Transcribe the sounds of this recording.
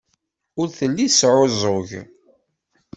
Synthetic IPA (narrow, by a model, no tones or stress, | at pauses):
ʊɾθəlːisʕozˤʊʝ